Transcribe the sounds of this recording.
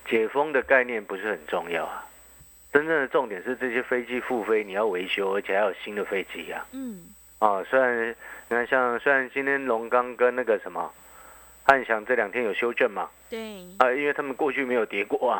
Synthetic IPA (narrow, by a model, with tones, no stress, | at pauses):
t͡ɕjɛ˨˩fɤ˥ŋd̪ə˨ka˥˧ɪnjɛ˥˩npu˧˥ʂɻ̩˥˩xə˨˩nʈ͡ʂʊ˥˧ŋjɑ̰˥˩ʊa˩ | ʈ͡ʂə˦˥nʈ͡ʂə˥˩ŋd̪ə˩ʈ͡ʂʊ˥˩ŋt̪jɛ˨˩nʂɻ̩˥˧ʈ͡ʂɤ˥˩ɕjɛ˥fe˥ɪt͡ɕi˥fu˥˧fe˥ɪni˨˩jɑ˥˩ʊwe˧˥ɪɕjo˥ʊə˞˧˥t͡ɕʰɛ˨˩xa˧˥jo˨˩ɕi˥nd̪ə˨fe˥ɪt͡ɕi˥a̰˨ | ɔ˥˨˩swe˥ɪɻa˧˦nni˨˩a˥nɕjɑ˥˩ŋswe˥ɪɻa˧˦nt͡ɕi˥nt̪ʰjɛ˥nlʊ˧˥ŋkɑ˦ŋkə˦nna˥˩ɡə˨ʂə˧˦nmə˨ | ha˥˩nnɕjɑ˨˩ŋʈ͡ʂɤ˥˩ljɑ˨˩ŋt̪ʰjɛ˦˥njo˨˩ʊɕjo˥ʊt͡ɕɥɛ˥˩nma˨ | a˨˩i˥nwe˥˩ɪt̪ʰa˥mə˨nkwɔ˥˧t͡ɕʰy˥˩me˧˥ɪjo˨˩ʊt̪jɛ˧˥kwɔ˥˩a˨